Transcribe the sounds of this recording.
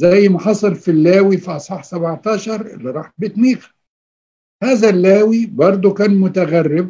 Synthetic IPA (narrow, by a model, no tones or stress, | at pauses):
zæjːmaħɑsˤɑlfilːaːwifiʔɑsˤħɑħsabʕt̪ɑːʃɑɾˤɪ̰lːiɾˤɑːħbɪt̪niːqa | haːzælːaːwibɑɾˤd̪ˤukæːnmʊt̪aɣærːɪb̚